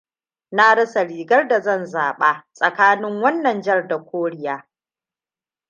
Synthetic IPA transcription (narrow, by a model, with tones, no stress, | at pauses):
na˦ɽɐ˦sa˨ɽiː˨ɡɐ˦rda˨zɐ˦˨nzaː˨ɓaː˦sʼɐ˨kaː˦nɪ˦ŋwɐ˦nːɐ˨nd͡ʒɐ˦rda˨kʷoː˦ɽɪ˦jaː˦